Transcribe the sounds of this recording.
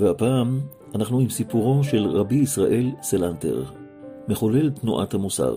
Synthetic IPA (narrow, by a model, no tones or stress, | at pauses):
veapaːm | anaχnuimsipuʁo̞ʃe̞lʁabiːsʁaʔe̞lselante̞̰ʁ | me̞χole̞lt̪nuʔa̰thamusa̰ʁ